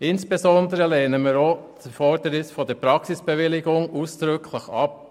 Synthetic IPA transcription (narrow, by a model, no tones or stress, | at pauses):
ɪnsb̥ezɔnd̪əɾəleːnəmiːɾoːt͡sfɔɾd̥əɾɪsfɔnd̥ɛɾpɾɑksɪsb̥eʋɪlɪɡʊŋuːsd̪̥ɾʏkʰlɪxɑ̰p